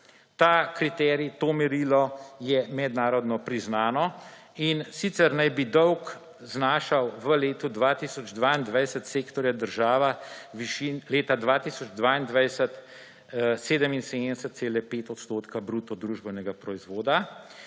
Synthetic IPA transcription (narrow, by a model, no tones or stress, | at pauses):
t̪akɾit̪ɛːɾit̪oːmɛɾilɔjɛmɛd̪naːɾɔd̪nɔpɾiznaːnɔ | insit̪sɛɾnajbid̪ɔwk | znaːʃawʋəleːt̪ud̪ʋat̪isɔd͡ʒd̪ʋaːind̪ʋɛjsət̪seːkt̪ɔɾjad̪əɾʒaːʋaʋiʃinleːt̪ad̪ʋaːt̪isɔd͡ʒd̪ʋaːind̪ʋɛjsət̪ | seːd̪əminseːd̪ɛsət̪̚seːlɛpeːt̪ɔt̪st̪oːt̪kabɾut̪ɔd̪ɾuʒbɛwnɛɡapɾɔizʋoːd̪a